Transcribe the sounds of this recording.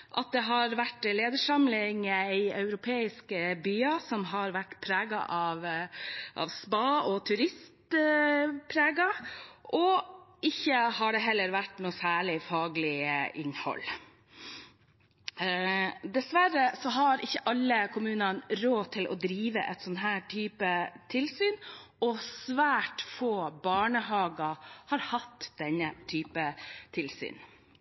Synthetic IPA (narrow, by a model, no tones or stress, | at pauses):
ʔɑt̪̚d̪ɛɦɑɾʋæʈːleːd̪əʂɑmlɪŋæɪœʉɾʊpʰeːɪskəbyːɑsɔmɦɑɾʋæʈːpʰɾæːɡɑ̰ʔɑʋ | ʔɑ̰ʋsbɑːɔt̪ʰʉɾɪst̪ | pʰɾeːɡɑʔɔɪçːəhɑɖɛɦɛlːəɾʋæʈːnuːsæːɭɪfɑːɡlɪʔɪnhɔ̰lː | d̪ɛsʋæɾəsɔɦɑɾɪçːəʔɑlːəkʰʊmʉːnɑnɾoːt̪ʰɪlʔɔ̰d̪ɾiːʋəʔɛt̪sɔnt̪ɦæːʈʰyːpət̪ʰɪlsyːnɔsʋæːʈfoːbɑːɳəɦɑːɡɑhɑɾhɑt̪ːd̪ɛnːət̪ʰyːpət̪ʰɪlsy̰ːn